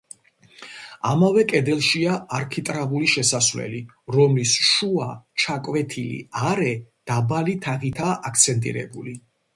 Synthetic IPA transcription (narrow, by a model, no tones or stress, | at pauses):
amavɛkʼɛd̪ɛlˠʃiaːɾkʰit̪ʼɾavuliʃɛsasvlɛ̰li | ɾɔmlisʃuat͡ʃʰakʼvɛt̪ʰilḭaɾɛd̪̥abalit̪ʰaʁit̪ʰaʔak̚ʰt̪sʰɛnt̪ʼḭɾɛ̰buli